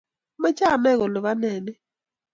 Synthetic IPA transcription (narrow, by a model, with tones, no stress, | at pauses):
ma˦t͡ʃa˦˨nɛ˦˨ɣɔ˨lɔ˨βa˦nɛː˨nɛ˦